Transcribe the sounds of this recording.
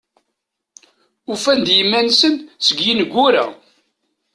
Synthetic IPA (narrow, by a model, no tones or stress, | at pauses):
ufænd̪jəmːænsənsəɡjinəɡʷːuɾæ̰